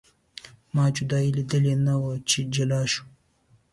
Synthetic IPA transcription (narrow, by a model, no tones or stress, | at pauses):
mɑːd͡ʒʊd̪ɑːilid̪əlenawət͡ʃed͡ʒalɑːʃu̥